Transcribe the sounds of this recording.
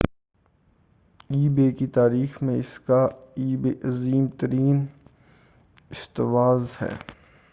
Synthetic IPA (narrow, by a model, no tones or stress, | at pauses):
iːbeːkit̪aːɾiːxmẽɪskaiːbeʔɐziːmt̪əɾiːn | ɪst̪ɪʋaːzhɛ̰ː